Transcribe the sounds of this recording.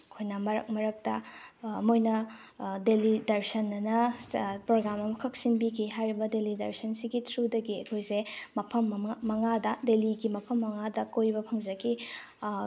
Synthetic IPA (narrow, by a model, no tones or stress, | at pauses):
ɐkʰojnɐmɐɾɐ̰k̚mɐɾɐk̚tɐmojnɐ | delidɐɾsɐnːɐnɐpɾoɡɾamɐmɐkʰɐk̚sinbikʰiɦajɾibɐdelidɐ̰ɾsɐnsiɡitʰɾudɐɡiɐkʰojsemɐpʰɐmːɐŋadɐdeliɡimɐpʰɐmːɐŋadɐkojbɐpʰɐŋd͡ʒɐki